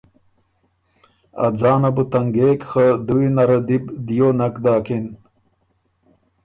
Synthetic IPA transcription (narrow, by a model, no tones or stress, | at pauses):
ɐ̰d͡zaːnɐbut̪ɐŋɡeːkxɐd̪uwinɐɾɐd̪ibd̪ijonɐkd̪aːkin